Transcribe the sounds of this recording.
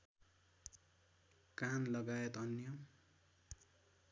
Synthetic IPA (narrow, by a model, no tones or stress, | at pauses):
kanlʌɡajet̪ʌnjʌ